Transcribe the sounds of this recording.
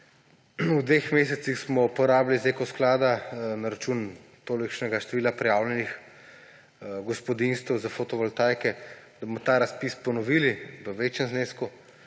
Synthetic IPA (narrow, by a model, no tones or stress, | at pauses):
ud̪ʋexmeːsɛt̪sixsmɔupɔɾaːblizekɔsklaːd̪anaɾat͡ʃuːn | t̪oːlikʃnɛɡaʃt̪ɛʋiːlapɾɛjaːwlɛnix | ɡɔspɔd̪inst̪əwzafot̪ɔʋɔlt̪aːjkɛd̪abomɔt̪aːɾaspispɔnɔʋiːliʋəʋeːt͡ʃjɛmzneːsku